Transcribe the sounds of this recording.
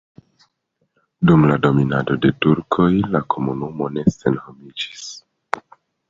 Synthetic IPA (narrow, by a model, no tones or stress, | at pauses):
dumlado̞minado̞de̞tuɾkʰo̞jlakʰo̞munumo̞ne̞se̞nhomid͡ʒis